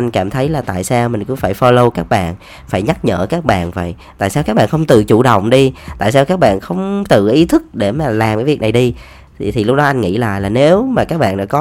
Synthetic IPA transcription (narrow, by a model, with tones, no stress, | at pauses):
ʔa˧jŋkaː˧˩mt̪ʰə˨˦jlaː˨˩t̪a̰ː˧˨jsaː˧wmï˨˩ŋ̟kʊ̰˧˥faː˧˩jfɔ˧lo˧wkaː˦˥k̚ɓa̰ː˧˨n | faː˧˩jɲa˦˥t̚ɲə̰ː˧˨kaː˦˥k̚ɓa̰ː˧˨nvə̰˧˨j | t̪a̰ː˧˨jsaː˧wkaː˦˥k̚ɓa̰ː˧˨nxə˧wŋ͡mt̪ɨ˨˩t͡ɕṵ˧˩ɗə̰˧˨wŋ͡mɗi˧t̪a̰ː˧˨jsaː˧wkaː˦˥k̚ɓa̰ː˧˨nxə˧wŋ͡mt̪ɨ̰˨˩ʔi˨˦t̪ʰɨ˦˥k̚ɗe˧˩maː˨˩laː˨˩mkaː˨˦jvi˨˩ək̚na˨˩jɗi˧ | t̪ʰi˨˩lʊ˦˥k͡p̚ɗɔ˨˦ʔa˧jŋ̟ŋḭ˧˥la̰ː˧˨jlaː˨˩ne˨˦wmaː˨˩kaː˦˥k̚ɓa̰ː˧˨nɗɔ̰˧˥kɔ˨˦